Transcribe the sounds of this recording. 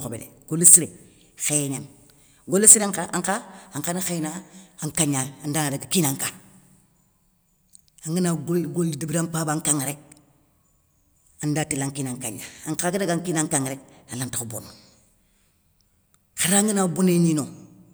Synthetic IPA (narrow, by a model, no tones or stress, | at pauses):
kobḛdḛɡ̥olːisiɾe | xeɲan | ɡolːesiɾaŋkaaŋkaaŋkanxenaaŋkaɲandaːnadaɡakiːnaŋka | aŋɡinaɡoɡoldibiɾampaːbaŋkaŋɾek̚ | andatilaŋkinaŋka̰ɲːa̰aŋkakadaɡaŋkinaŋkaŋɾekalantakubo̰n | xaɾaŋinaboneɲino